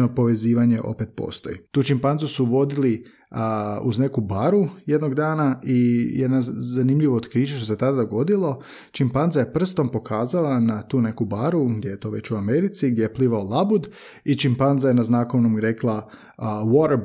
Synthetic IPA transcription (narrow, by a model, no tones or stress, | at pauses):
nopo̞ʋe̞ziːʋaɲe̞ʔo̞̰pet̪̚po̰st̪o̞̰jḭt̪uːt͡ʃimpanzusuʋo̞d̪ili | ṵzne̞kubaɾuje̞d̪no̞ɡd̪aːnaijed̪nazanimʎiʋoːt̪kɾiːt͡ʃeʃt̪o̞set̪ad̪ad̪o̞ɡo̞d̪ilˠo̞ | t͡ʃimpanzaje̞pr̩st̪o̞mpo̞kʰaːzalˠanat̪uːne̞kubaɾuɡd̪ʲjejet̪o̞ːʋe̞t͡ɕuame̞ɾit̪siɡd̪ʲjejepliʋaolˠabud̪ | it͡ʃimpanzajenaznakoʋnomɾe̞klˠa | woɾ